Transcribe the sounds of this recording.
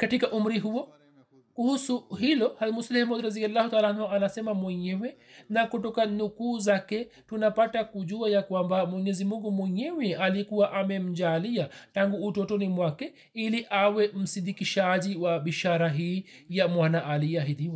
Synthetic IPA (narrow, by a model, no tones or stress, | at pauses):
katikaʔum̩ɾiɦuɔ | kuhusuhilɔhalmuslihmɔd̪ɾazialːaːhutaalaanhuanasɛmamwɛɲɛwɛ | nakutɔkanukuːzakɛtunapatakuʄuajakwambamwɛɲɛzimuŋɡumwɛɲɛwɛalikuwaʔamɛm̩d͡ʒaliataŋɡuːtɔtɔnimwakɛ | iliʔawɛm̩sidikiʃaʄiwabiʃaɾaɦiː | jamwanaʔaliɛaɦidiwa